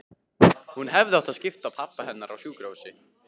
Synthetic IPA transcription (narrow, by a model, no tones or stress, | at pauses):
hunɦɛvðɪawt̪aðscɪft̪apʰapːahɛnːaɾawsjuːkɾowsɪ